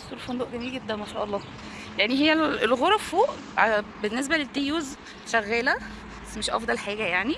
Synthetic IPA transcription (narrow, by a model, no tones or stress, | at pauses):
sˤolfond̪oːʔɡæmiːlɡed̪ːænmæʃæːʔɑlˤːɑː | jaʕniɦejːælelɣoɾˤɑffoːʔ | benːes̬bælet̪ːejuːz | ʃæɣːæːlæ | bæsːmeʃʔɑ̰fd̪ˤɑlħaːɡæjaʕni